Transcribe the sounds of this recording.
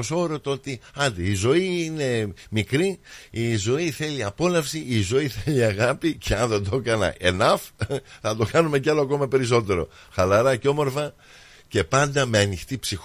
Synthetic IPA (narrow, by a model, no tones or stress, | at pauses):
oso̞ɾot̪o̞t̪iɐnd̪iːzo̞iine̞mikɾiizo̞iθe̞liɐpo̞lɐfsiːzo̞iθeliɐɣɐpiceɐnðend̪o̞kɐnɐ̰ʔe̞nɐfθɐt̪o̞kɐnume̞cɐloɐko̞mɐpe̞ɾis̬o̞t̪e̞ɾo̞̰ | xɐlɐɾɐco̞mo̞ɾfɐ | ce̞pɐnd̪ɐme̞ɐnixt̪ipsix